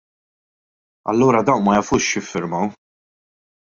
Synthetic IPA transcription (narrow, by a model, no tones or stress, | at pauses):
ɐ̰lːuːɾɐd̪ɐwnmɐjɐfuːʃjɪfːɪɾmɐw